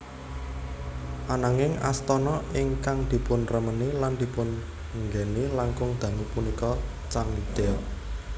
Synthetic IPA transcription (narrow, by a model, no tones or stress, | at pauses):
ʔanaŋɪŋa̰st̪ɔnɔɪŋkaŋd̪̥i̤pʊnrəməniland̪̥i̤pʊn | ŋɡɛnilaŋkʊŋd̪̥ä̤nupunikɔ | t͡ʃaŋlid̪̥eɔ